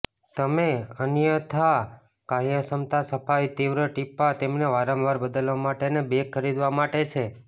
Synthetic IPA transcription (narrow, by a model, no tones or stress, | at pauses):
t̪əmeənjət̪ʰa | kaɾjəsəmt̪asəpʰajt̪iʋɾəʈipːat̪emneʋaɾə̃mʋaɾbəd̪əlʋamaʈenebekʰːəɾid̪ʋamaʈet͡ʃʰe